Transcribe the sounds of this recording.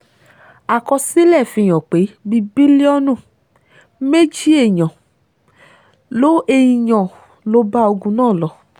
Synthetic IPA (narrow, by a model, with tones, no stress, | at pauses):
a˨kɔ˧si˦lɛ˦˨fĩ˧˨j̃ɔ̃˨k͡pe˨˦bi˧bi˦li˦ɔ˦nũ˦˨ | me˦d͡ʒi˦e˦˨ɲɔ̃˨ | lo˦e˧ji˧ɲɔ̃˨ | lo˧˦ba˦o˧ɡũ˧nãː˦˨lɔ˧